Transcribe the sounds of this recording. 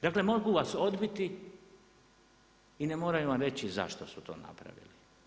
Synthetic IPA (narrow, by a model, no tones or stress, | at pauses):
d̪aːklemo̞ɡuʋaso̞d̪bit̪i | inemoːɾajuʋamɾe̞t͡ɕiza̰ʃt̪osut̪o̞̰ːna̰pɾa̰ʋḭli